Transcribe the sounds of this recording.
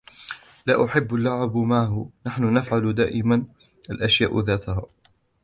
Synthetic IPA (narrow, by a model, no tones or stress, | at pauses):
laːʔʊħɪbːalːaʕabmaʕhʊnaħnʊnafʕalʊd̪a̰ːʔɪman | ʔalʔaʃjaːʔðaːt̪ahaː